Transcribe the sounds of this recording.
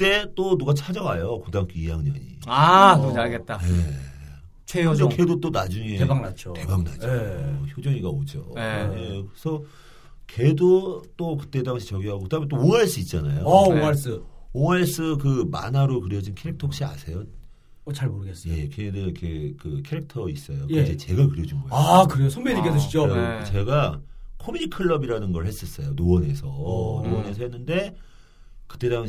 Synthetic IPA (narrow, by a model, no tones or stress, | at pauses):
t͈e̞t͈onuɡat͡ɕʰad͡ʑʌwajokodaŋk͈ʰiijaŋɲʌ̰ɲḭaod͡ʑaɭɡet̚t͈aje | t͡ɕʰeokedot͈onad͡ʑuŋeebaŋnat͡ɕʰoke̞baŋna̰d͡ʑoçod͡ʑʌŋiɡaod͡ʑo̰jekɯesʰʌ | ke̞dot͈okɯ̥t͈e̞daŋɕʰit͡ɕʌɡiɦaɡokɯdamet͈ooŋaɭs͈ɯit̚t͡ɕ͈ana̰joaɭs͈ɯoŋaɭs͈ɯkɯma̰naɾokɯɾjʌd͡ʑinkʰe̞ɾik̚tʰok̚ɕ͈ia̰sʰe̞jo | t͡ɕaɾmoɾɯɡesje̞keedɯikʰekɯkʰe̞ɾek̚tʰʌis͈ʌjoked͡ʑet͡ɕe̞ɡakɯɾjʌd͡ʑinɡʌjakɯɾeosʰoŋbeɲikes̬ʰʌɕid͡ʑokt͡ɕe̞ɡakʰomjuɲikʰɯɭːʌbiɾanɯnɡʌɭhe̞s͈ʌs͈ʌjonoʌne̞sʰʌnoʌne̞sʰʌɦenːɯnde̞ | kɯ̥t͈e̞daŋɕ